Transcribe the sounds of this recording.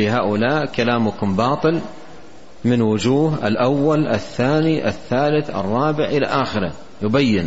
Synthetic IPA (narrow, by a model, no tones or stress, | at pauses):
lɪɦaːʔʊlaːʔkalaːmʊkʊmbɑːt̪ˤɨl | mɪnwʊd͡ʒuːɦɪ̰lʔawːalʔɪθːaːniʔɪ̰θːaːlɪθɑ̰rˤːɑːbɪʕʔɪla̰ʔaːxɪɾa̰ | jʊbajːɪn